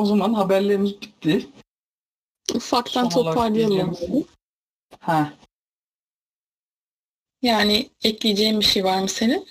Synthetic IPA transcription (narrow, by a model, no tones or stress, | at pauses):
ozamanɦabæɾlʲemizbit̪ːi | ufakt̪ant̪ʰo̞paɾd̪ɯjalˠmamenɯ | hɛ | jaːniɛclʲid͡ʒɛjimbiʃejvaɾmɯsenin